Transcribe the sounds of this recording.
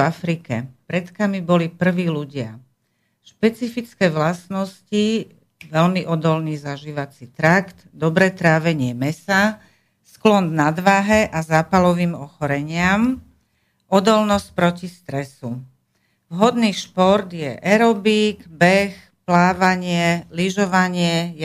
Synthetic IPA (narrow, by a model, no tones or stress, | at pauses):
afɾikɛ̰pɾɛt̪kamibɔlipr̩ʋiːluɟɪa̰ | ʃpɛt͡sifit͡skɛːʋlasnɔsci | ʋɛlmiʔɔd̪ɔlniːzaʒiːʋat͡sit̪ɾakt̪d̪ɔbɾɛt̪ɾaːʋɛɲɪɛmɛsa | sklɔnnad̪ʋaɦɛʔazaːpalɔʋiːmɔxɔɾɛɲɪam | ɔd̪ɔlnɔsc̚pɾɔcist̪ɾɛsu | vɦɔd̪niːʃpɔɾd̪jɛʔɛɾɔbiːɡbɛx | plaːʋaɲɪɛliʒɔʋaɲɪɛj